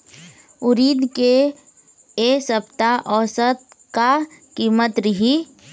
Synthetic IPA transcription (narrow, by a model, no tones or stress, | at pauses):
ʊɾiːd̪ke | esəpt̪aʔɔːsət̪ | kakiːmət̪ɾɪɦi